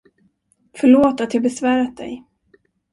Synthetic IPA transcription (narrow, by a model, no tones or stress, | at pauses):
fœɭoːt̪at̪jɑːɡ̚bɛsvæːɾat̪̚d̪ɛ̰j